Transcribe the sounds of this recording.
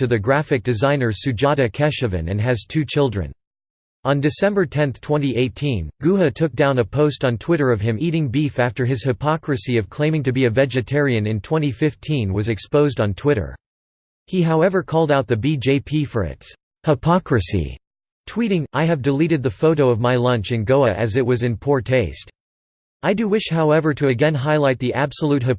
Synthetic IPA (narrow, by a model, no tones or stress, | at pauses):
tɨðɨɡɹæfɨk̚d̥ɨzãɪ̃nə˞sʉd͡ʒɑɾɨkʰɛʃɨvɨ̰̃nɨ̰̃nɨz̥tʰʉt͡ʃʰɪlˠdɹɨ̰̃n | ə̃ndɨsɛ̃mbə˞tʰɛ̃nθtʰw̥ɛ̃ñiʔeɪtʰĩnɡ̥ʉhɨtʰʊk̚d̥ãʊ̃nəpʰoʊstn̩tʰw̥ɪɾə˞ʌv̥ɨ̃miɾɪ̃ŋbifæftə˞ɨz̥hɨpʰɑkɹɨsiʌv̥kʰl̥ẽɪ̃mɪ̃ŋtɨbiɨvɛd͡ʒɨtʰɛɹiɨ̃nɨ̃ntʰw̥ɛ̃ɾ̃ifɪftʰĩnwʌzɨkspoʊzdn̩tʰw̥ɪɾə̰˞ | iɦaʊɛvə˞kʰɔlˠdaʊt̪̚ðɨbid͡ʒeɪpʰifə˞ɪ̰ts | hɪpʰɑkɹɨsḭ | tʰw̥iɾɪ̃ŋʔaɪɨvdɨliɾɨd̪̚ðɨfoʊɾoʊʌvmaɪlʌ̃nt͡ʃɨ̃nɡoʊɨʔɨzɨt̚wʌzɨ̃npʰuɹtʰeɪst | aɪdɨwɪʃhaʊɛvə˞ɾɨɨɡɛ̃nɦaɪlaɪt̪̚ðiʔæb̥səlut̚ɦɨ